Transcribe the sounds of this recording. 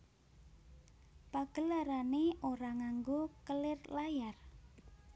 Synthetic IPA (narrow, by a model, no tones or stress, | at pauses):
paɡ̥əlaɾaneoɾaŋaŋɡokəlɪrlajar